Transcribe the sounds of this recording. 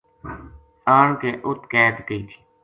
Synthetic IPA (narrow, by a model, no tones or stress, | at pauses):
aːɳkeːʔʊt̪kɛːd̪kəiːt̪ʰi̥ː